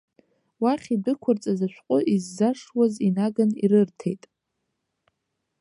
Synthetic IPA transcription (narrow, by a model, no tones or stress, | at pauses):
waχʲibɨkʷʰʊrt͡sʼazaʃᶣʷqʷʼʊʔizːaʂwazinaɡanḭɾɨrtʰe̞̰jtʼ